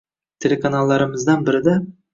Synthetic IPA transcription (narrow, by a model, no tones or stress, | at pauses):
t̪ʲʰe̞lʲe̞kanalˠːɑɾəməzd̪ɑnbɪɾɪd̪ɑ